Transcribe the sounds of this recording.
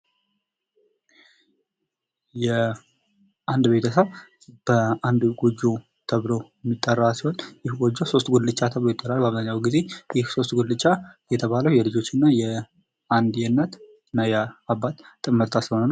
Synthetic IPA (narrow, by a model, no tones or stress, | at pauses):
jɛ | ʔand̪be̞t̪ʰəsəβ | b̥əand̪ɡod͡ʒːo | t̪ʰəβlo̞ɛmːit̪ʼːərːasiho̞njɪhɡod͡ʒːoso̞st̪ɡʷullɨt͡ʃːat̪ʰəβlo̞jɪt̪ʼːəɾalbaβzaɲːawɡize̞jɪhso̞st̪ɡulɨt͡ʃːajɛt̪ʰəβaləwjɛlɨd͡ʒo̞t͡ʃːɪnːajɛ | and̪jɛnːət̪ | nːajɛabːat̪ːʼɨmːəɾt̪ʰashonəna